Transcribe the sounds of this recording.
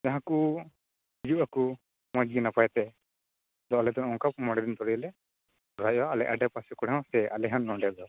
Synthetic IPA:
d͡ʒaɦãku | d͡ʒuʔaku | mɔd͡ʒɡinapajt̪ɛ | d̪ɔlɛd̪ɔnɔŋkap̚mɔɽɛd̪int̪ɔɾiɛlɛ | ɾajɔalɛʔaɖɛpasɛkɔɽɛ̃sɛʔalɛɦanːɔ̃ɖɛd̪ɔ

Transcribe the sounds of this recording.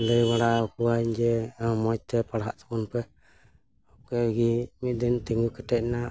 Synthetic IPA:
ləjwaɽakuaɲd͡ʒɛmɔt͡ʃ̚t̪ɛpaɽɦa̰ʔt̪akunpɛ | ɔkɛɡimit̪̚d̪ɛnt̪ɛŋɡukɛʈɛc̚na

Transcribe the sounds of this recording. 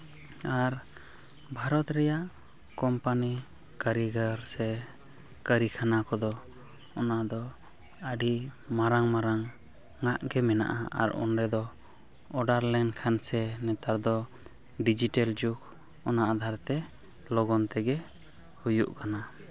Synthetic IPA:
aɾ | bʱaɾɔt̪ɾɛjaʔ | kɔmpani | kaɾiɡaɾsɛ | kəɾikʰanakɔd̪ɔ | ɔnaʔd̪ɔ | əɖimaɾaŋmaɾaŋː | aʔɡɛmɛna̰ʔa̰a̰ɾɔ̰nɾɛd̪ɔ | ɔɖaɾlɛnkʰansɛnɛt̪aɾd̪ɔ | ɖid͡ʒiʈɛld͡ʒuk | ɔnaʔad̪ʱaɾt̪ɛ | lɔɡɔnt̪ɛɡɛ | hujuʔkana

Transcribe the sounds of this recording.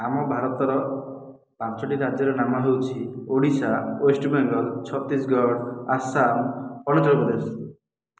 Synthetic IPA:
amɔbʱaɾɔt̪ɔɾɔ | pat͡ʃʰɔʈiɾad͡ʒjɔɾenamɔɦewt͡ʃʰioɽisaesʈbɛŋɡɔlt͡ʃʰɔt̪isɡɔɽasamɔlɔd͡ʒɾɔpɔd̪es

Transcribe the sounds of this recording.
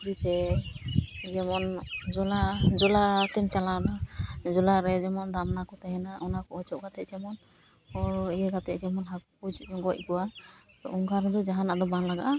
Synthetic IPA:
kɾit̪ɛ | d͡ʒɛmɔnd͡ʒɔlad͡ʒɔlat̪ɛmt͡ʃalaɔnad͡ʒɔlaɾɛd͡ʒɛmɔnd̪amnakɔt̪ɛɦɛnaʔɔnakɔɔt͡ʃɔʔɡat̪ɛd͡ʒɛmɔn | ɔijɛɡat̪ɛʔd͡ʒɛmɔnɦakpud͡ʒɔŋɡɔc̚ɡɔwa | t̪ɔʔɔŋɡaɾɛd̪ɔd͡ʒaɦanad̪ɔbanlaɡa̰ʔa

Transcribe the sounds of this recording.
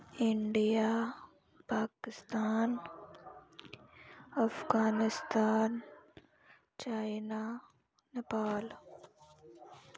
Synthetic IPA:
ɪɳɖija | paːkɪst̪aːn | ɐfɡaːnɪst̪aːn | t͡ʃaːjna | nɐpaːl

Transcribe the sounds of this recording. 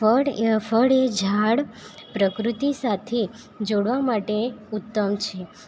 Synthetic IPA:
əɽfəɽed͡ʒʱaɽpɾəkɾut̪isat̪ʰe | d͡ʒoɽʋamaʈeut̪ːəmt͡ʃʰe

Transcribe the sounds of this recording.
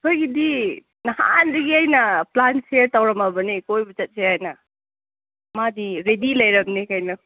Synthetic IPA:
kʰojɡidi | nɐha̰ndiɡiajnɐplanseɾtawɾɐmɐbɐnikojbɐt͡ʃɐt̚seajnɐ | madiɾedilɐjɾɐmnikajnɐ

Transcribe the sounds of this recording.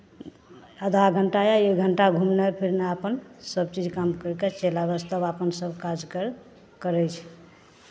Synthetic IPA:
əd̪ʱaɡʱəɳʈajaeɡʱəɳʈaɡʱumnepʰiɾneapənsəbt͡ʃid͡ʒkamkəɾket͡ʃelabəst̪əbapənsəbkad͡ʒkəɾ | kəɾɛjt͡ʃʰ

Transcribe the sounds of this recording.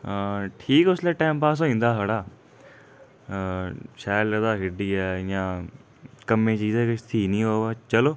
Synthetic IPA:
ʈʰiːkʊsleːʈaːmpaːs̬õĩːnd̪aːɦəɽaː | ʃaːləd̪aːɦɪɖiːɛːjãː | kəmẽːt͡ʃiːzɛːkɪt̪ʰiːnĩːɦoːaːt͡ʃəloː

